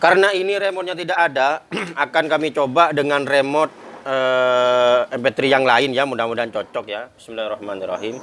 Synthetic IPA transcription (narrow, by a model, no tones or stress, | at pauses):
kaɾənainiɾemɔt̪̚ɲat̪̬idakadaakankamit͡ʃobadəŋanremɔt̪̚əː | ɛmpɛt̪ɾijaŋlaɪnjamudamudant͡ʃot͡ʃɔk̚jabismilarɔhmanirɔ̰ɦim